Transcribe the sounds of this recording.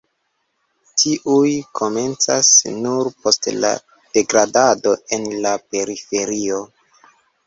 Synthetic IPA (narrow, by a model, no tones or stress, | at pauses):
tʰiʔujkʰo̞me̞nt͡sasnuɾpo̞stla̰ | d̥e̞ɡɾadado̞e̞nlape̞ɾife̞ɾio